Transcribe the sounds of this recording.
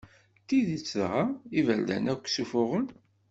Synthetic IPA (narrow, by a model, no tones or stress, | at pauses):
t̪iðit͡sːðʁaivæld̪æ̰nækʷːsufʊʁən